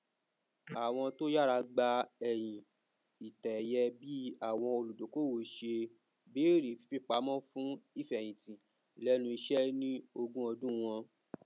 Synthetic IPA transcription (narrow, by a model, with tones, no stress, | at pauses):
a˨w̃ɔ̃˧to˦ja˦ɾa˧ɡ͡ba˧ɛ˨j̃ĩ˨ | i˨tɛ˨jɛ˧bi˦a˦˨w̃ɔ̃˧o˧lu˨do˨˦ko˦wo˨ʃe˧ | beː˨˦ɾi˨fi̥˨˦fi˦˨k͡pa˨˦mɔ̃˦fũ˦i˦˨fj̃ĩ˨tĩ˨ | lɛ˦nũ˧i˧ʃɛ˦nĩ˦o˧ɡũ˦ɔ˧dũ˦˧w̃ɔ̃˧